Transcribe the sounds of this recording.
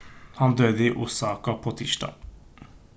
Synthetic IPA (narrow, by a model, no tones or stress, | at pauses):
hɑnd̪øːd̪əiːʔuːsɑːkapʰoːt̪ʰiːʃʈɑ̰ː